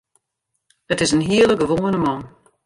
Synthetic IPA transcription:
ətɪzənɦiələɡəʋoːənəmɔn

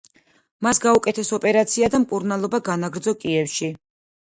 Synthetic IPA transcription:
masɡaukʼɛt̪ʰɛsɔpʼɛɾat̪sʰiad̪amkʼuɾnalˠɔbaɡanaɡɾd̪zɔkʼiɛfʃi

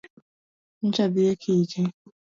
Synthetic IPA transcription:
n̩t͡ʃabiekʰid͡ʒe

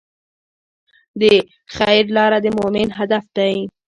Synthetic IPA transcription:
d̪ə | xajɾlɑɾad̪əmomɪnɦad̪afd̪aji

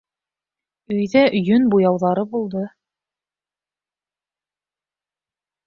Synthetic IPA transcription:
ɵ̆jðæʔjɵnbujɑwðɑɾɤbulˠd̪ɤ

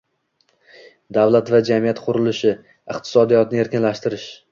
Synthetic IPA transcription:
d̪avlˠat̪vad͡ʒamijat̪qʰʊɾɪlɪʃɪ | ɪqt̪ʰɪ̥sɒd̪ijɒt̪nɪe̞ɾkʲɪnlaʃt̪ɪɾɪʃ

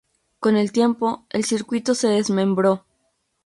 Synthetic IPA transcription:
ko̞ne̞lt̪je̞mpo̞elsiɾkwit̪o̞se̞ðe̞zmẽ̞mbɾo̞

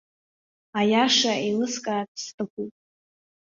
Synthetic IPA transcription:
ajaʂailɨskʼaːtʰstʰʼɨkʷʰutʼ

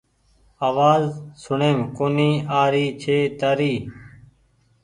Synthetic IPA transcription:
aːʋaːzsʊɳẽːmkoːniːaːɾiːt͡ʃʰeːt̪əːɾiː

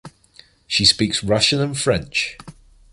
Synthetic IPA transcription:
ʃispiˑksɹʌʃə̃nə̃nfɹɛ̃nt͡ʃ

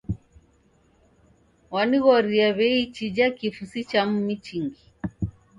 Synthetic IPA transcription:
waniɣɔɾiaβɛit͡ʃid͡ʒakifusit͡ʃam̩mit͡ʃiŋɡi

